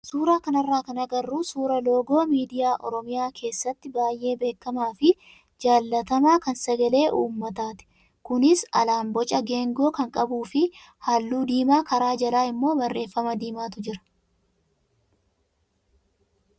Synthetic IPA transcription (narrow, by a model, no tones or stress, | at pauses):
suːɾaːkɐnɐrːaːkɐnɐɡɐrːuːsuːɾɐlo̞ːɡo̞ːmiːd̪ɪjaːʔɔ̰ɾɔmɪjaːkʰe̞ːsːɐt̪ːɪbaːjʔe̞ːbe̞ːkːɐmaːfɪ | d͡ʒaːlːɐt̪ɐmaːkɐnsɐɡɐle̞ːʔuːmːɐt̪aːt̪ɪ̥ | kʊnɪsɐ̰laːmbɔt͡ʃʼɐɡe̞ːŋɡo̞ːkɐŋkʼɐbuːfɪ | haːlːuːd̪iːmaːkɐɾaːd͡ʒɐlaːɪmːo̞ːbɐrːʔe̞ːfːɐmɐd̪iːmaːt̪ʊd͡ʒɪɾɐ̥